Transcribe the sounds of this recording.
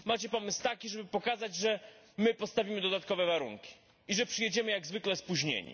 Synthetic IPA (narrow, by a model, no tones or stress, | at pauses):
mat͡ɕɛpɔmɘst̪akʲiʐɛbɘpɔkazad͡ʑʐɛ | mɘpɔst̪avʲimɘd̪ɔd̪at̪kɔvɛvaɾṵŋkʲi̥ | iʐɛpʂɘjed͡ʑɛmɘjaɡzvɘklɛspuʑɲḛɲḭ